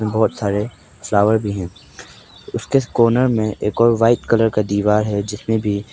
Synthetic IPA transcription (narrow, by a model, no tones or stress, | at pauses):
ẽbɔɦːt̪saːɾe | flaːʋəɾbʱiɦɛ̃ː | ʊskekɔːnəɾmẽʔeːkɔːɾʋaːɪt̪kɐləɾkad̪iːʋaːɾɦɛd͡ʒɪsmẽbʱi